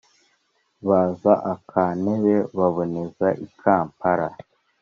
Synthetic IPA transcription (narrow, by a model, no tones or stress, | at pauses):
βaːzaʔakʰaːneβeβaβo̞nezaʔikʰaːmpaɾa